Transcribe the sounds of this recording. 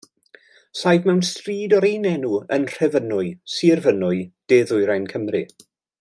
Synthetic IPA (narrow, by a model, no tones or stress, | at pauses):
sajdmɛwnstriːdɔɾejnɛnuə̰nr̥ɛvənʊɨsirvənʊɨd̥eðʊjɾajnkʰəmrɨ